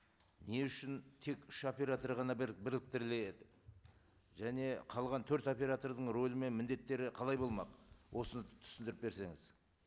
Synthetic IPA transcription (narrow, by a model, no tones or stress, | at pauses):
ne̞ʏʃɪnt̪ʰe̞kʏʃo̞pe̞ɾat̪o̞rʁɑnɑbɪɾlɪk̚t̪ɪɾlejed̪ɪ | ʒæne̞qʰɑlˠʁɑnt̪ʰɵɾt̪o̞pʲe̞ɾat̪o̞rd̪əɴro̞lˠəme̞nmɪnd̪e̞t̪ːe̞ɾɪqʰɑlˠɑjbo̞lˠmɑqwʔo̞sənət̪ʰʏ̥sɪnd̪ɪɾɪp̚be̞ɾse̞ŋɪz̥